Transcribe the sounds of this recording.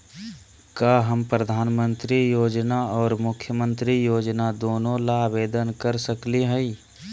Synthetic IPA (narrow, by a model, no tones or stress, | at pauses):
kaːɦəmpɾəd̪ʱaːnmə̃nt̪ɾijoːd͡ʒnaɔːɾmʊkʰjəmə̃nt̪ɾijoːd͡ʒnad̪oːnõlabeːd̪ənkəɾsəkliɦɛi